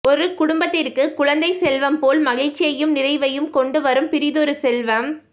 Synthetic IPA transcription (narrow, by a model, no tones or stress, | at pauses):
ʔɔɾɯkʊɽʊmbɐt̪ːɪrkɯkʊɻɐnd̪ɐɪsɛlʋɐmpoːlmɐɣɪɻt͡ʃːɪjɐjɯmnɪɾɐɪʋɐjɯmkɔɳɖɯʋɐɾɯmpɪɾɪðɔɾɯsɛlʋɐm